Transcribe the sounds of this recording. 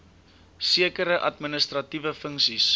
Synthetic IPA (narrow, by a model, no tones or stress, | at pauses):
siəkəɾəʔɐtminəstrɐtivəfəŋksis